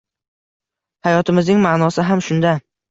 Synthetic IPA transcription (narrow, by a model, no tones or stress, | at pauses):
hajɒt̪ʰɪmɪznɪŋmaʔnɒsɪɦamʃʊnd̪a